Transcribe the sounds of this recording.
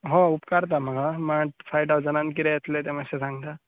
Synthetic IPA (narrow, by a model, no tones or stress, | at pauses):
ɦõupkaɾt̪̬am̤əɡamaʈfajʈad͡zənãnkiɾejet̪let̪eməsesãŋɡt̪a